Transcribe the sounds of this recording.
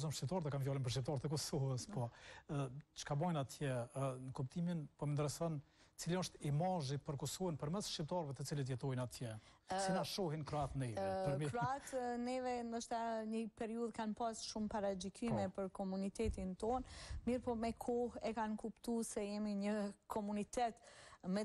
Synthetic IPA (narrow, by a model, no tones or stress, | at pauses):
zɔmʃtip̚t̪aɾt̪əkanvjɔlˠinp̬əɾʃip̚t̪ɑɾt̪ɛkɔsɔvəspɔ | t͡ʃə̥kabɔjnat̪ʰjɛnəkupt̪ʰiminpɔɛnd̪əɾɛsɔn | t͡siliɔʃt̪imaʒipəɾkɔsɔvənpəɾmɛsʃipt̪ɑɾvɛt̪ət͡silət̪̬jɛt̪ɔjnat̪ʰjɛsinaʃɔɦinkɾɔat̪nɛvɛpəɾmɾɔat̪nɛvɛnd̪əʃt̪aɲəpɛɾiuðkanpasʃumpaɾad͡ʒikymɛpəɾkɔmunit̪ɛt̪int̪ɔnmiɾpɔmɛkʰɔhɛkankupt̪usɛjɛmiɲəkʰɔmunit̪ɛt̪mɛ